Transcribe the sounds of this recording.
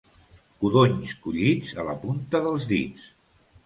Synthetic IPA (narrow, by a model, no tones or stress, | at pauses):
kuðoɲskuʎid͡zələpunt̪əðəlˠzðḭt͡s